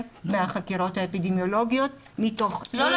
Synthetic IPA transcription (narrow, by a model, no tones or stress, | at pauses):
meaχakiʁo̞thaepidemjo̞lo̞ɡijo̞t̚ | mito̞χlo